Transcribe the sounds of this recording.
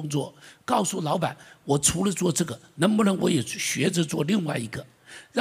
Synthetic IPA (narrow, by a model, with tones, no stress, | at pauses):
ʊ˥ŋt͡swɔ̰˥˩kɑ˥˧ʊsu˥˩lɑ˧˥ʊpa˨˩˦nwɔ˨˩ʈ͡ʂʰu˧˥lə˧t͡swɔ˥˧ʈ͡ʂɤ˥˩ɡə˩nə˧˥ŋpu˥˩ə˧˥nwɔ˧˥jɛ˨˩˥ɕɥɛ˧˥ʈ͡ʂə˧t͡swɔ˥˧li˥˧ŋwa˥˩ɪi˧˥ɡə˧ | ɻɑ˥